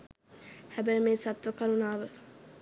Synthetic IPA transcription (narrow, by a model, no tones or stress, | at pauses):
hæbəjəmeːsat̪ʋəkaɾunaːʋə